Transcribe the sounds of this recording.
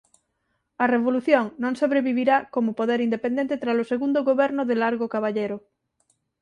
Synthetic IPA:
areβ̞oluθjõŋnõŋsoβɾeβiβiɾakomopoðeɾind̪epend̪ẽnt̪et̪ɾasoseɣund̪oɣoβɛɾnoðelaɾɣokaβaʎeɾo

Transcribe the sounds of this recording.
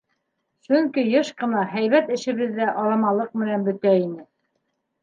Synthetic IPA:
ʃɵŋkijɤʃqɤ̆nɑhæjβæt̪ɘ̆ʃɘ̆βɘ̆ðːæʔɑɾɑmɑlˠɤq̚mɘ̆nænbɵ̆t̪æinɘ

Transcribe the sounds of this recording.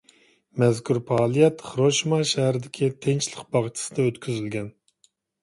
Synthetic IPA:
mɛzkʲʰuɾpʰɑːlˠijɛt̪χɾoʃmɑʃæhɾɪd̪ɪkʲʰit̪ʰent͡ʃlˠəqbɑʁt͡ʃʰi̥sɨd̪ɑøt̪kʲʰyzylɡʲɛn

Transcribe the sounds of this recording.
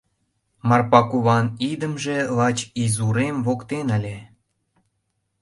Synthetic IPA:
mɑrpɑkuβɑnid̪ə̆mʒĕlɑt͡ɕizuɾemβokt̪enə̆lʲe

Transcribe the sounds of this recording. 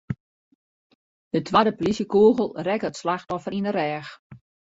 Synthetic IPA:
d̥ətʰʋaːdəpolisjəkoːɣəlˠrɛkətslaxtɔfəɾinərɛːx

